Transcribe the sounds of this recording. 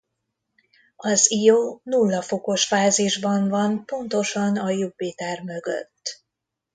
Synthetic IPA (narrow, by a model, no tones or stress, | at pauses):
ɒzijoːnulːɒfo̞ko̞ʃfaːziʒbɒɱvɒnpo̞nt̪o̞ʃɒnɒjubeːt̪aːrmø̞ɡø̰t̪ː